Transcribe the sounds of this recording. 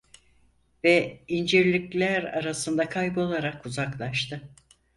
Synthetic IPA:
vɛind͡ʒiɾlʲiclʲæɾa̰ɾasɯnd̪akʰajbɯo̞lˠaɾakuzaklˠaʃt̪ʰɯ

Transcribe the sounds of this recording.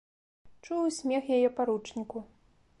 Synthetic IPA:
t͡ʂuwsʲmʲɛxjajɛpaɾut͡ʂnʲiku

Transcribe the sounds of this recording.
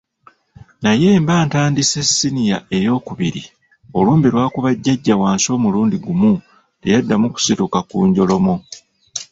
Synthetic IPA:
naje̞ːmbaːntaːndise̞sːinija̰e̞jo̞ːkuβiɾḭ | o̞luːmbilwaːkuβaɟːaɟːawaːnso̞ːmuluːndiɡumu | tejadːamuku̥situkakuːɲɟo̞lo̞mo

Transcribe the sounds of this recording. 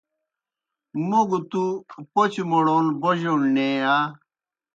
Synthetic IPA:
moɡut̪upot͡ɕmoɽoːnboʑoɳneːaː

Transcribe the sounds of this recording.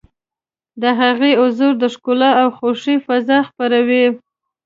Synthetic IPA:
d̪əɦaɣeʊzuɾd̪əʂkolaawxoʂifazɑxpaɾawi

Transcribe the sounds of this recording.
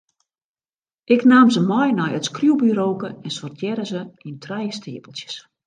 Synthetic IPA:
ʔɪknaːmzəmɔjnɔjətskrjuwbyɾoːkəɛnsɔrtʰjɛɾəzəintʰrɛjəstʰɪːəpəlˠsjə̥s

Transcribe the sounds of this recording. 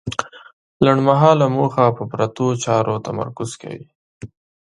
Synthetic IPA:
laɳɖmaɦɑlamoxapəpɾat̪ot͡ʃɑɾʔot̪ama̰ɾkʊz̥ka̰wḭ

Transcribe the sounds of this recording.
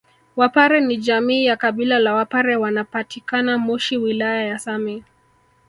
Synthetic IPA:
wapaɾɛnid͡ʒamiːjakaɓilalawapaɾɛwanapatikanamɔʃiwilajajasamɛ

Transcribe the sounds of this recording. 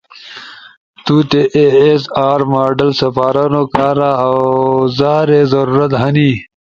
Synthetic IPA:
t̪ut̪eʔeːsaːɾmaːɖɐlsɐfaːɾɐnokaːɾaawzaːɾezɐɾuːɾɐt̪ɦɐni

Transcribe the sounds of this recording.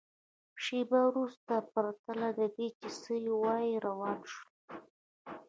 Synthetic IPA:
ʃebawɾust̪apaɾat̪alad̪əd̪et͡ʃɪsəjwɑjiɾawɑnʃu̥

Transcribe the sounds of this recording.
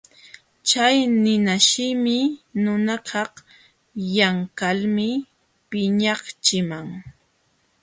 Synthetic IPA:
t͡ʃajnɪnaʃɪmɪnʊnakʰɑχ | jaŋkalmɪ | pɪɲɑχt͡ʃɪmaŋ

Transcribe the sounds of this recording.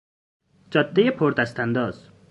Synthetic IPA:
t͡ʃɒt̪ːejepʰoɾt̪ast̪and̪ɒːz

